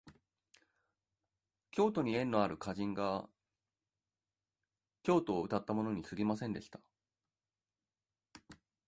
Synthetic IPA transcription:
kʲo̞ːt̪o̞ɲ̟iẽ̞nːo̞aɾɯ̟kaʑĩŋɡa | kʲo̞ːt̪o̞ːɯ̟t̪at̪ːamo̞no̞ɲ̟isɨɡʲimasẽ̞nd̪e̞ɕi̥t̪ḁ

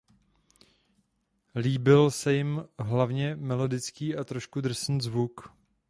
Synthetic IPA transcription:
liːbɪlsɛjɪmɦlavɲɛmɛlo̞dɪt͡skiːat̪ɾoʃkud̪rsn̩zvuk

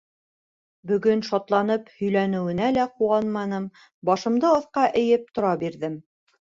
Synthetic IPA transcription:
bɵ̆ɡɵnʃɑt̪lˠɑnɤphɵ̆jlænɘ̆wɘ̆nælæquɑnmɑnɤm | bɑʃɤ̆md̪ɤɑθqɑʔɘ̆jɘp̚t̪ŏɾɑbiɾðɘm

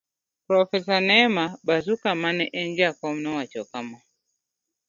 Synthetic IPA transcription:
pɾɔfɛs̬anɛmabazukamanɛʔɛɲd͡ʒakɔm̩nɔwat͡ʃɔkama

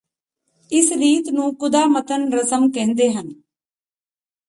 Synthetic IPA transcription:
ɪsɾiːt̪nũːkʊd̪aːmət̪ənɾəsəmkɛ̃ːnd̪eːɦən

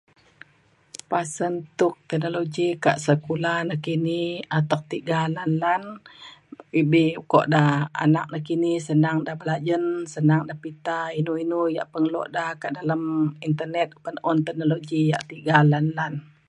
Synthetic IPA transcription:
pasənt̪uk̚t̪ɛhnoloɡika̰ʔsəkulanakiniat̪ak̚t̪iɡalanlan | ibikɔ̰ʔdaha̰nak̚nakinisənaŋdahbəlad͡ʒənsənaŋdahpit̪ainuinuja̰ʔpəŋlɔ̰ʔdahkaʔdalamint̪ərnɛt̪̚pənɔnt̪ɛhnoloɡijaʔt̪iɡalanlan

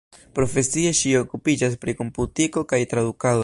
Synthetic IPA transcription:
pɾo̞fe̞sie̞ʃio̞kupid͡ʒas̬pɾiko̞mputiko̞kajtɾad̪ukado

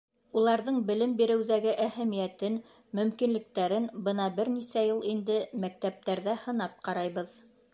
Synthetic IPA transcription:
ulˠɑɾðɤɴbɘ̆lɘmbiɾɘ̆wðæɡɘʔæhæmijæt̪ɘn | mɵ̆mkinlɘ̆k̚t̪æɾɘnbɤnɑbɘɾnisæjɤlˠind̪ɘmæk̚t̪æp̚t̪æɾðæhɤ̆nɑp̚qɑɾɑjβɤð

